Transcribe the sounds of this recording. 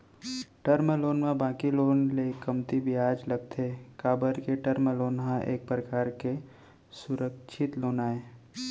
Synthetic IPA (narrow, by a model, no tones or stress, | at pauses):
ʈəɾməloːnmãbãːkiloːnlekɐmt̪ibʱiaːd͡ʒlɐɡ̚t̪ʰekaːbəɾkeʈəɾməloːnɦãʔḛːk̚pɾəkaːɾke | sʊɾəkʃʰɪt̪loːnaːeː